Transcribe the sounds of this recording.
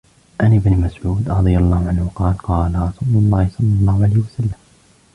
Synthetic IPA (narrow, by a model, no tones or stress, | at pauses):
ʔanɪbnmasʕuːd̪ɾˤɑd̪ˤɨjalˤːɑːhʊʕanhʊqɑːlqɑːlaɾˤɑsʊlʊlˤːɑːhɪsˤɑlːɑlˤːɑːhʊʕalajhɪwasalːam